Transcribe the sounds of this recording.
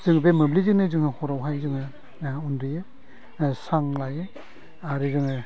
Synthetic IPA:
zɯŋbemɯblizɯnɯzɯŋɯhɔɾawɦajzɯŋɯ | undɾije | saŋlaje | aɾizɯŋɯ

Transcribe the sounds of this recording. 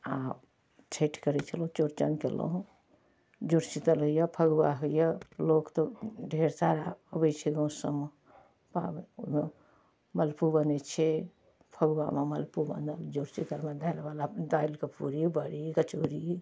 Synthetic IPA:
ap | t͡ʃʰeʈʰkəɾɛt͡ʃʰəlõt͡ʃoɾt͡ʃə̰nkḛlõ̰ | d͡ʒuɾt͡ʃit̪əlɦujəpʰəɡwaɦujəlokt̪oɖʱeɾsaɾaəbət͡ʃʰiɡə̃wsə̰m | pa̰bme | məlpubənet͡ʃʰe | pʰəɡwa̰meməlpubə̰nd̪əld͡ʒuɾt͡ʃit̪əlmẽd̪ʱanbalad̪aːilkepuɾibəɾikət͡ʃoɾi

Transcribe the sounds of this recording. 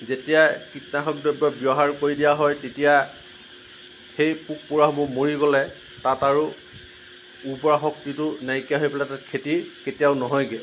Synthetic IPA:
zetijakitnaxɔk̚dɔbjɔbjɔɦaɹkoɹidijaɦɔjtetija | xejpuk̚puɹaɦmʊmoɹiɡɔlɛ | tataɹu | ubɔɹaxɔk̚titʊnajkijaɦojpɛlatatkʰetiketijaʊnɔɦɔjɡɛ

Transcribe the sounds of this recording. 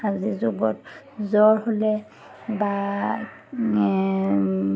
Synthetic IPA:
azizubɔt | zɔɹholɛ | ba

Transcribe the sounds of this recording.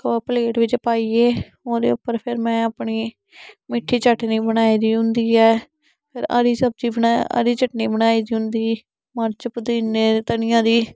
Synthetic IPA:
kapəleːʈʋɪt͡ʃpaːiːeː | oːd̪ḛːʊpːəɾpʰɪɾmɛ̃ːəpɳiː | mɪʈʰːiːt͡ʃəʈniːbəñaːiːd̪iːɦʊ̃nd̪iːɛː | pʰɪɾa̰ːɾiːsəb̚d͡ʒiːbənaa̰ːɾiːt͡ʃəʈniːbəɽaːiːd̪iːɦʊ̃nd̪iː | məɾt͡ʃəpd̪iːneːt̪əɳɪjãːd̪iː

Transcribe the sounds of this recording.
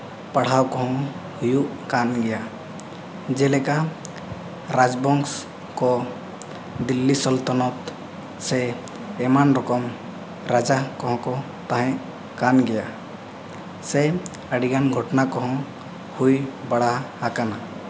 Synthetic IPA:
paɽ̤awkɔɦɔ̃ | hujukanɡɛja | d͡ʒɛlɛka | ɾad͡ʒbɔŋs | kɔ | d̪ilːisɔlt̪ɔnɔt̪ | sɛː | manɾɔkɔm | ɾad͡ʒakɔɦɔ̃kɔ | t̪aɦɛ̃ | kanɡɛja | sɛ | əɽiɡanɡʱɔʈnakɔɦɔ̃ | hujbaɽ̤ahakana

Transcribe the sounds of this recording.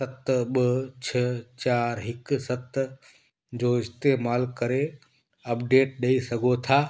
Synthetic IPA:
sət̪bət͡ʃʰət͡ʃaːɾɦɪksət̪ | d͡ʒoɪst̪emaːlkəɾe | əpɖeːʈ̚ɗeisəɡot̪ʰa

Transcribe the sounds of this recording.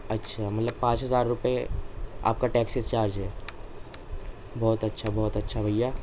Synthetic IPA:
ɐtːʃʰamɐt̪ləb̚pãːt͡ʃɦɐzaːɾːʊpea̰ːp̚kaʈɛːksɪst͡ʃaːɾd͡ʒɦɛː | bɔːt̪ɐtːʃʰabɔːt̪ɐtːʃʰabʱɐjːaː

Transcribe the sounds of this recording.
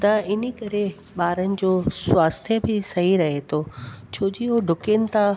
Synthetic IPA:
t̪ɐɪnikɐɾe | ɓaːɾənɪ̆d͡ʑoːswaːst̪ʰjəbʱɪsɐɦiɾɐɦet̪ʰoːt͡ɕʰoːd͡ʑiɦoɖʱʊkenɪ̆t̪ʰa

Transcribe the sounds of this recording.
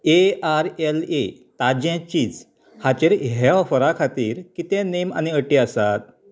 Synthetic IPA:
eaɾelet̪ad͡ʑɛ̃t͡ɕiːd͡z | hat͡ɕeɾɦɦɛʋfəɾakʰat̪iːɾkit̪ɛ̃nema̰niəʈiəsat̪̚

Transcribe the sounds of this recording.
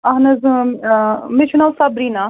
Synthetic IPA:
ɐɦnɐz | mit͡ʃʰunalsabɾina

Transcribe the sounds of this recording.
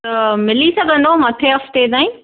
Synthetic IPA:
t̪ɐmɪlisɐɡʱə̃nd̪omɐt̪ʰeɐft̪ed̪aːĩ

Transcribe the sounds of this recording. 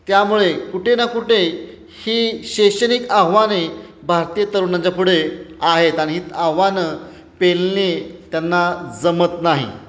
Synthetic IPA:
t̪jamuɭekuʈʰenakuʈʰe | hiːɕeɕənikaɦʋane | bʱaɾt̪ijət̪əɾunat͡ɕapuɽ̤eaɦet̪aɽiɦiːt̪aɦʋanə | pelnet̪janːad͡zəmət̪naɦḭ

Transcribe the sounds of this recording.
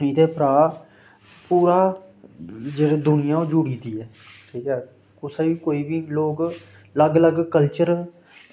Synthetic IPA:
nĩːd̪eːpɾaː | puːɾaː | d͡ʒeːɽeːd̪ʊnɪjãːõːd͡ʒuɽiːd̪iːɛː | ʈʰiːkɛː | kʊsẽːʋiːkoːiːbiːloːɡ | ləɡləɡkəlt͡ʃəɾ

